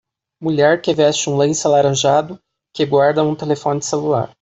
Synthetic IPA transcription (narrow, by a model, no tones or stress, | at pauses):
muʎɛɾkɪvɛst͡ʃɪũlẽjsalaɾɐ̃ʒad̪ʊ | kɪɡwaɾd̪ɐũt̪elefõnɪselula̰ɾ